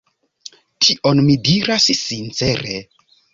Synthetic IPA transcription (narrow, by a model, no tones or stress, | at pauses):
tʰiʔonmidiɾassint͡se̞ɾe